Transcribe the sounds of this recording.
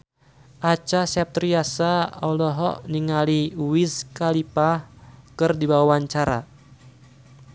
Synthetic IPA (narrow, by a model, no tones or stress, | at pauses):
ʔat͡ʃasɛp̚t̪ɾiasaɔ̰lɔɦɔ̰ʔniŋaliuwiskalipahkɨrdibawawaɲt͡ʃaɾa̰